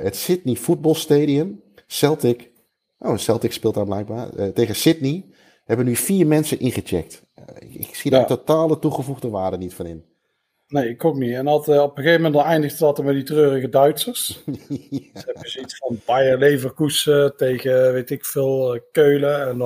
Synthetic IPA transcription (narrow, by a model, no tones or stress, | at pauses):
ətsɪtnifud̚bɔlˠsteːdiəm | sɛlˠtɪk | o̰əsɛlˠtɪkspɪːlˠtdaɹblɛjk̚baːrteːɣəsɪt̚ni | hɛbənyfiːrmɛnsənʔɪnχət͡ʃɛ̰k̚t | ɪ̰ksidatotaːlˠətuɣəvuɣdəʋaːrdənitfɔnɪn | nejɪkokniɛnɑtɔpəɣeːvəmɛndɔnɛjndəɣdəɑtəmɛditrøːrəɣədœɥtsərs | ɛəzitsfɔnbajəlejvərkusətejɣəʋejtɪkfɪːlˠkøːləɛn